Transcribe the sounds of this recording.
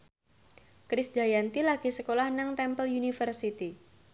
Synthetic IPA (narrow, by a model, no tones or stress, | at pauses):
kɾɪsdajant̪ilaɡ̥isəkolahnaŋt̪ɛmpəljunifərsit̪i